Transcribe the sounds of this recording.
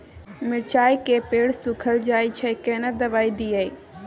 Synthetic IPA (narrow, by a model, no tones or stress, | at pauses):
mɪɽt͡ʃʰaːikeːpeːɽsʊkʰəld͡ʒaːit͡ʃʰɐkeːnəd̪ɐʋaːidiːai